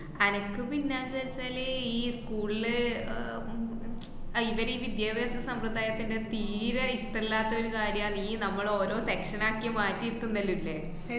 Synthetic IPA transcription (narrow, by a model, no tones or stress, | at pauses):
ɐnɐkːɨpinːaːðʋɐɾit͡ɕːaːleiːskuːɭilɨ | iʋɐɾiːʋid̪jaːbeːsɐsɐmprɐd̪aːjɐt̪ːinde̞t̪iːɾɐiʂʈelːaːt̪ːɐo̞ɾukaːɾjɐaːniːnɐmːɐɭo̞ːɾo̞ːse̞kʂɐnaːkːjɐmaːtːiɾut̪ːunːɐlːulːe